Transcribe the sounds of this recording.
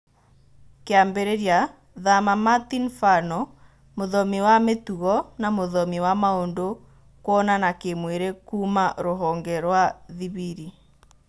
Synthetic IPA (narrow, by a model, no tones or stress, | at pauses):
keambeɾeɾja | ðamamatinfanɔ | moðɔmiwametuɣɔnamoðɔmiwamaondo | kwɔnanakemweɾekuːmaɾoɦɔŋɡɛɾwaðiβiɾi